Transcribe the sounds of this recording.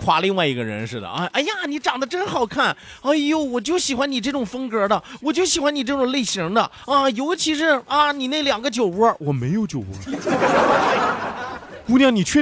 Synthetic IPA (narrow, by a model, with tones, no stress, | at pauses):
kʰwa̰˧˥li˥˧ŋwa˥˩ɪi˧˥ɡə˧ɻə̰˧˥nʂɻ̩˥˩d̪ə̰˩ʔa˥˩ʔa˥ɪja˥˩ni˧˥ʈ͡ʂɑ˨˩ŋd̪ə˦ʈ͡ʂə˥nxɑ˨˩ʊkʰa˥˩n | a˥˩jo˥˩wɔ˨˩t͡ɕjo˥˩ʊɕi˨˩xwa˧˥ni˨˩ʈ͡ʂɤ˥˩ʈ͡ʂʊ˨˩ŋfə˥ŋkɤ˞˧˥d̪ə˧wɔ˨˩t͡ɕjo˥˩ʊɕi˨˩xwa˧˥ni˨˩ʈ͡ʂɤ˥˩ʈ͡ʂʊ˨˩ŋle˥˩ɪɕi˧˥ŋd̪ə̰˧ | ɐ˧jo˧˥ʊt͡ɕʰi˧˥ʂ̬ɻ̩˥˩ɐ˥˧ni˨˩ne˥˩ɪljɑ˨˩ŋɡə˦t͡ɕjo˨˩ʊwə˥˩wɔ˨˩me˧˥ɪjo˧˩ʊt͡ɕjo˨˩ʊwə̰˥ | ku˥˧njɑ˥˩ŋni˨˩t͡ɕʰɥɛ˥˧